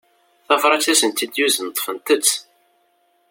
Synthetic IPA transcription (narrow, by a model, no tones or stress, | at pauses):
θæfɾˤɑsæsənt̪id̪juzənt̪ˤːfənt̪ət͡sː